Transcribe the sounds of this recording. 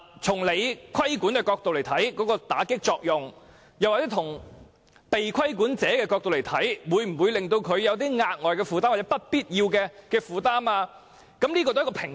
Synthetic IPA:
t͡sʰʊ˨˩ŋle˨˧jkʰɐ˥jkuː˨˥nkɛː˧kɔː˧k̚t̪o˨wle˨˩t̪ʰɐ˨˥jkɔː˨˥kɔː˧t̪a̰ː˨˥kɪ˥k̚t͡sɔː˧k̚jʊ˨˩ŋ | jɐ˨˩waː˨t͡sɛː˨˦˥t̪ʰʊ˨˩ŋ | pe˨jkʷʰɐ˥jkuː˨˥nt͡sɛː˨˥kɛː˧kɔː˧k̚t̪o˨wle˨˩jt̪ʰɐ˨˥jwuː˨˧˥jm̩˨˩wu˨˧jlɪ˨ŋt̪o˧wkʰɵ˨˧ɥjɐ˨˧wt̪̬iː˥ŋaː˧t̚ŋɔː˨˩jkɛː˧fuː˨˧t̪a˥wa˨˩t͡sɛ˦˥pɐ˥t̚piː˥t̚jiː˧wkɛː˧kɛː˧fuː˨t̪aː˥maː˧ | kɐ˨˦mli˥kɔ˧t̪o˥jkɔ˧pʰɪ˨˩ŋ

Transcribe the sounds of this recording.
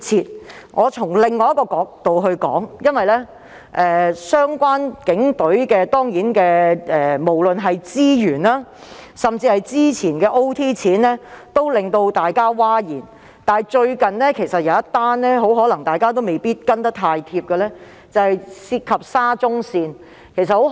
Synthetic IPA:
t͡sʰiː˨t̚ | ŋʔɔː˨˧t͡sʰʊ˨˩ŋlɪ˨ŋːɔː˧jɐ˥tkɔː˧kɔː˨˧k̚t̪o˨wɦɵ˧ɥkɔ̰ː˨˥ŋjɐ˥nwɐ˨jlɛː˥ | ʔɛː˨˧sœː˥ŋkʷaː˥nkɪ˨˥ŋt̪ɵ˨˥ɥkɛː˧t̪ɔː˥ŋjiː˨˥nkɛː˧ɛː˨˩mo˨˩wlɵ˨nɦɐ˨jt͡siː˥jyː˨˩nlaː˥sɐ˨mt͡siː˧hɐ˨jt͡siː˥t͡sʰiː˨˩nkɛː˧ʔo˥wt̪ʰiː˥t͡sʰiː˨˥nlɛː˥t̪o˥wlɪ˨ŋt̪o˧wt̪aː˨jkaː˥waː˥jiː˨˩n | t̪aː˨˩jt͡ʃɵ˧ɥkɐ˨nlɛː˥kʰe˨˩jsɐ˨t̚jɐ˨˧wɐ˥t̪ːaː˥nlɛː˥ɦo˨˥wɦɔː˨˥lɐ˨˩ŋt̪aː˨jkaː˥t̪o˥wme˨jpiː˥t̚kɐ˥nt̪ɐ˥k̚t̪ʰaː˧jt̪ʰiː˧p̚kɛ˧lɛː˥ | t͡sɐ˨˧hɐ˨jsiː˧t̚kʰɐ˨p̚saː˥t͡sʊ˥ŋsiː˧n | kʰe˨˩js̬ɐ˨t̚ho˨˥

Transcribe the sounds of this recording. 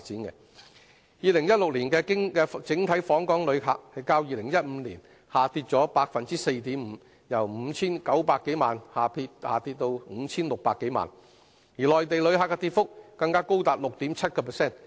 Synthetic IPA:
t͡siː˨˥nkɛ̰˧ | jiː˨˧lɪ˨˩ŋjɐ˥t̚lʊ˨k̚liː˨˩nkɛː˧kɪ˥ŋkɛ˧t͡sɪ˨˥ŋt̪ʰɐ˨˥jfɔː˨˥ŋkɔː˨˥ŋlɵ˨˧ɥɦa̰ː˧k̚hɐ˨jkaː˧wjiː˨˧lɪ˨˩ŋjɐ˥t̚m̩˨˧˦liː˨˩n | haː˨˩t̪iː˧t̚t͡sɔː˨˥paː˧k̚fɐ˨nt͡siː˥se˧jt̪iː˨˥mm̩˨˧ | jɐ˨˩wm̩˨˧t͡sʰiː˥nkɐ˨˥wpaː˧kːe˨˥jmaː˨nhaː˨pʰiː˧thaː˨t̪i˧t̚t̪o˧wŋ̩˨˧t͡sʰiː˥nlʊ˨k̚paː˧kːe˨˥jma̰ː˨˩n | jiː˨˩lɔː˨jt̪e˨jlɵ˨˧ɥhaː˧kːɛ˧t̪iː˧t̚fʊ˥k̚ːɐ˧ŋkaː˥ko˥wt̪aː˨t̚lʊ˨k̚t̪iː˨˥mt͡sʰɐ˥t̚kɔː˧pʰɛ˨sɛː˥˩n

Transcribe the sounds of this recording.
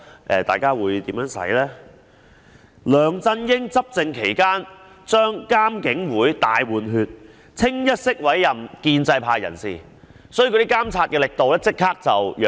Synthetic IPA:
ʔɛː˨˧t̪a̰ː˨˩jkaː˥wuː˨˧jt̪iː˨˥mjœː˨˥ŋsɐ̰˨˥jlɛː˥ | lœː˨˩ŋt͡sɐ˧njɪ˥ŋt͡sɐ˥p̚t͡sɪ˨˧ŋkʰe˨˩jkaː˥n | t͡ʃœː˥ŋkaː˥mkɪ˨˥ŋwuː˨˥jt̪aː˨jwuː˨˩nɦyː˧t̚ | t͡sʰɪ˥ŋjɐ˥t̚sɪ˥k̚wɐ˨˥jjɐ˨mkiː˧nt͡sɐ˧jpʰaː˧jɐ̰˨˩nsiː˨˩ | sɔ˨˥ji˨kɔ˧t̪i˥kaː˥mt͡sʰaː˧t̚kɛː˧lɪ˨k̚t̪o˨wlɛː˥t͡sɪ˥k̚haː˥k̚t͡sɐ˨wjœː˨

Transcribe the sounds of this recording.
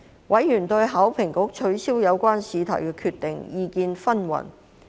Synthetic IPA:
wʔɐ˨˥jːyː˨˩nt̪ɵ˧ɥɦaː˨˥wpʰɪ˨˩ŋkʊ˨˥k̚t͡ʃʰɵ˨˥ɥsiː˥wjɐ˨˧wkʷaː˥nsiː˨˧t̪ʰɐ̰˨˩kɛː˧kʰyː˧t̪ɪ˨ŋjiː˨˧kiː˧nfɐ˥nwɐ̰˨˩n

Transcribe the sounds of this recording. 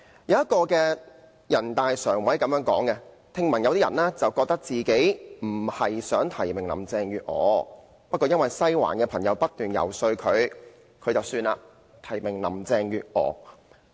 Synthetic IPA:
jɐ˨˧wjɐ˥t̚kɔː˧kɛː˧ | jɐ˨˩nt̪aː˨jsœː˨˩ŋwɐ˨˥jkɐ˨˥mjœː˥ŋkɔ̰ː˨˥ŋkɛ˧ | t̪ʰɪ˧ŋmɐ˨˩njɐ˨˧wt̪i˥jɐ̰˨˩nlɛː˥t͡sɐ˨wkɔː˧k̚t̪ɐ˥k̚t͡siː˨ke˨˥jm̩˨˩hɐ˨jsœː˨˥ŋt̪ʰɐ˨˩jmɪ˨ŋlɐ̰˨˩mt͡sɛː˧ŋjyː˨t̚ŋɔ̰ː˨˧ | pɐ˥t̚kːɔː˧jɐ˥nwɐ˨jsɐ˥jwa̰ː˨˩nkɛː˧pʰɐ˨˩ŋjɐ˨˧wpɐ˥t̚t̪yː˨˩njɐ̰˨˩wsɵ˧ɥkʰɵ˨˧ɥ | kʰɵ˨˧t͡sɐ˨wsyː˧na̰ː˧ | t̪ʰɐ˨˩jmɪ˨˩ŋlɐ̰˨˩mt͡sɛː˧ŋjyː˨t̚ŋɔ̰ː˨˧

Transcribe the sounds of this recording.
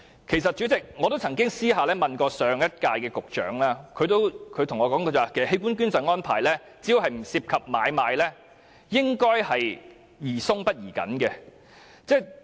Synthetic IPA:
kʰe˨˩js̬ɐ˨t̚t͡ʃy˨˥t͡sɪ˨k̚ŋɔː˨˧t̪o˥wt͡sʰɐ˨˩ŋkɪ˥ŋsiː˥ɦaː˨˧lɛː˥mɐ˨nkɔː˧sœː˨˧ŋjɐ˥t̚kaː˧jkɛː˧kʊ˨k̚t͡ʃœ̰ː˨˥ŋlaː˥kʰɵ˨˧t̪o˥wkʰɵ˨˧ɥt̪ʰʊ˨˩ŋɔː˨˧kɔː˨˥ŋko˧t͡swaː˨˩kʰsɐ˩he˥jk̬uː˥nkyː˥nt͡sɐ˨˧ŋɔː˥npʰa̰ː˨˩jlɛː˥ | t͡si˨˥jo˨˧wɦɐ˨jm̩˨˩siː˧p̚kʰɐ˨p̚maː˨˧jmaː˨˧jlɛː˥ | jɪ˥ŋkɔː˥jhɐ˨j | jiː˨˩sʊ˥ŋpɐ˥t̚jiː˨˩kɐ̰˨˥nkɛː˧ | t͡sɛː˥˩

